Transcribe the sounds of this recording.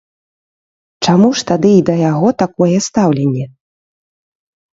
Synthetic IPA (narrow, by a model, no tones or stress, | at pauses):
t͡ʂamuʂt̪ad̪ɨid̪ɐjaɣɔt̪akɔjɛst̪awlʲenʲːɛ